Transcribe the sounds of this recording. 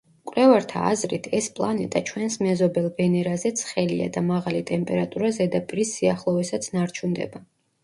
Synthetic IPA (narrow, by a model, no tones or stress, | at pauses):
kʼlɛvaɾt̪ʰa̰ːzɾit̪ʰɛspʼlˠanɛt̪ʼat͡ʃʰwɛnsmɛzɔbɛlˠbɛnɛɾazɛt̪sʰχɛlḭa̰d̪amaʁalit̪ʼɛmpʼɛɾat̪ʼuɾazɛd̪apʼiɾisːiaχlˠɔvɛsat̪sʰnaɾt͡ʃʰund̪ɛ̰ba